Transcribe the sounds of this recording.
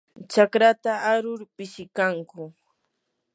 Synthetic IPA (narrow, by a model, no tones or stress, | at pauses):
t͡ʃakɾat̪aaɾʊɾpɪʃɪkaŋkʊ